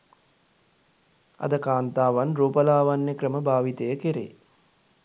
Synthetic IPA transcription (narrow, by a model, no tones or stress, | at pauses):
a̰d̪əkaːnt̪aːʋanroːpəlaːʋanjəkɾəməbaːʋit̪əjəkeɾḛː